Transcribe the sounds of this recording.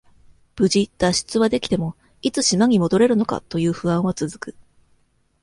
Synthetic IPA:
b̥ɯ̟ʑit̪ːaɕi̥t͡sɨβad̪e̞kʲi̥t̪e̞mo̞ | it͡sɨɕimaɲ̟imo̞d̪o̞ɾe̞ɾɯ̟no̞ka̰t̪o̞jɯ̟ːɸɯ̟ãɰ̃βat͡sɨzɨkɯ

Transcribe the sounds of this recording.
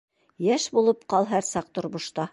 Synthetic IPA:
jæʃbulˠɤpqɑlˠɦæɾsɑq̚t̪ŏɾmŏʃt̪ɑ

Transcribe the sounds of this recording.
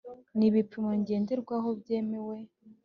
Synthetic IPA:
niβipimoɲɟe̞ːnde̞ɾɡwaɦobje̞ːmewe̞

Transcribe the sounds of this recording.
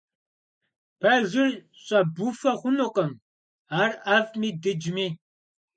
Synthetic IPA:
pʰɐʒɪr | ɕʼɐbufɐχʷʊnoqʼɐm | aːravmiːdɨd͡ʒmiː

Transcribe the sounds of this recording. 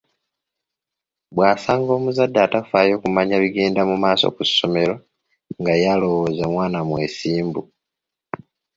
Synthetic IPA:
βwaːsaːŋɡo̞ːmuzadːatafaːjo̞ːkumaɲaliɡe̞ːndamumaːso̞̰kuso̞me̞ɾo̞ | ŋɡajalo̞wo̞ːzamwaːnamwe̞siːmbṵ

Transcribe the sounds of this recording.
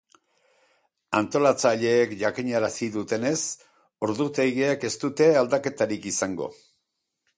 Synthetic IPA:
ant̪o̞lat͡saʎe̞ːkʝakiɲaɾasiðut̪e̞ne̞s | o̞ɾðut̪ejɣieke̞st̪ut̪e̞ald̪ake̞t̪aɾikisaŋɡo̞̰

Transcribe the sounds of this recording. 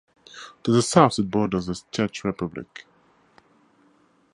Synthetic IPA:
tʰəzəsaʊθət̚bɔːdəzəzt͡ʃʰɛˑt͡ʃɹɛpʰablɪ̰k

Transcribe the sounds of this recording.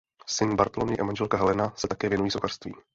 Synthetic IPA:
sɪnbaɾt̪olonɪʔamanʒɛlkaɦɛlɛnasɛt̪akɛːvjɛnujiːsoxar̥st̪vḭː

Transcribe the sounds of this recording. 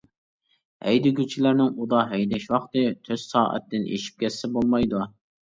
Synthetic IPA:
hɛjd̪ɪɡʲyt͡ʃʰilæɾnɪŋud̪ɑɦɛjd̪ɛʃwɑχt̪ɨt̪ʰøz̥sɑ̰ːʔɛ̰t̪ʰːɪnḛʃi̥p̚kʲʰɛsːɛbolˠmɑjd̪u

